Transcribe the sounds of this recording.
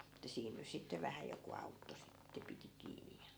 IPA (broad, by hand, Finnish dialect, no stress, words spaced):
etːæ siːn nys sitːe ʋæhæ joku ɑutːo sitːe piti kiːnij jɑ